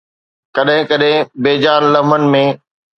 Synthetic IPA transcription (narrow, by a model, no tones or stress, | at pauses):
kɐɗɦɪ̃kɐɗɦɪ̃beːd͡ʑaːnlɐmənɪ̆mẽ